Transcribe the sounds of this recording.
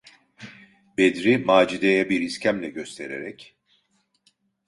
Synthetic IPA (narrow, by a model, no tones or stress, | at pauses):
bed̪ɾimaːd͡ʒid̪ejɛbiɾiscʰæmlʲɛɟø̞st̪ʰe̞ɾḛɾɛc